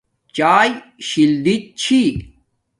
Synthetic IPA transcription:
t͡ɕaːjɕild̪it͡ɕʰi

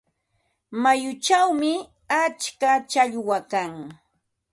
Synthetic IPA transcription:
majʊt͡ʃawmɪ | at͡ʃkat͡ʃaʎwakaŋ

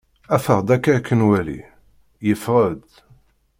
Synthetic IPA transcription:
æfəʁd̪ækːækʰːənwælḭ | jəfʁəd̪

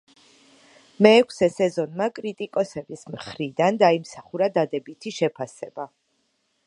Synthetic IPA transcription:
mɛːkʷʰsɛsɛzɔnmakʼɾit̪ʼikʼɔsɛbismχɾid̪and̪aimsaχuɾad̪ad̪ɛbit̪ʰiʃɛpʰasɛba

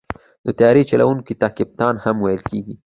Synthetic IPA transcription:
d̪ət̪ajɑɾit͡ʃala̰wuŋkit̪ɑːkɪb̚t̪ɑːnhamwajəlkeɡi

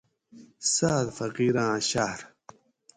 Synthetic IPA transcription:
saːd̪fɐqiːɾãːɕaɾ

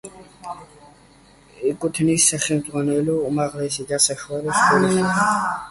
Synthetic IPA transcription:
ikʼut̪ʰnisːaχɛmd̪zʁwanɛlɔːmaʁlɛsid̪asaʃwaɾɛsulɛ

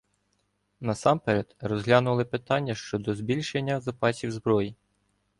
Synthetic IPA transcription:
nɐsɑmpeɾɛd̪rɔzɦlʲanʊlˠɪpɪt̪ɑnʲːɐʃt͡ʃɔd̪ɔzbʲilʲʃenʲːɐzɐpɑsʲiwzbɾɔji

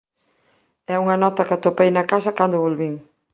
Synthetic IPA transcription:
ɛuŋɐnɔt̪ɐkat̪opejnɐkasɐkand̪ʊβolβiŋ

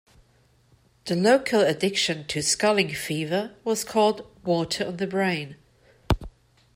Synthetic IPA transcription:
ðəloʊkʰələdɪkʃə̃ntʰəskʌlɪ̃ŋfiːvəwɒz̥kʰɔːlˠd̚wɔˑtʰəɹə̃nðəbɹẽɪ̃n

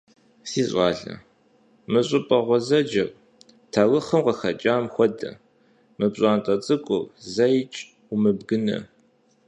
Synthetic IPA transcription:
siːɕʷʼɑːɮɐ̰ | mɨɕʼɪpʼɐʁʷɔzɐd͡ʒɐr | tʰawɨχəmqɐxɐt͡ʃʼaːmxʷɔdɐ̰ | mɨpɕʼaːntʼɐt͡sʼɨkʷʼʊrzɐjt͡ʃʼ | umɨbɡɨnɐ̰

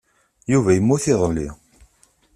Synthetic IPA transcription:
juvæjəmːuθiðˤlːḭ

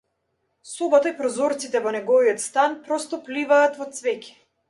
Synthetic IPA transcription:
subat̪aipɾɔzɔɾt̪sit̪ɛvɔnɛɡɔviɔt̪st̪anpɾɔst̪ɔplivaːt̪vɔt̪svɛcɛ̥

